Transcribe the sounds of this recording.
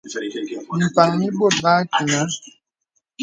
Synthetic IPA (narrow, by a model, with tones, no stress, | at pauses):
m̩˨pa˨ŋi˦bo˦˨t̚ba˦ki˨ŋa˦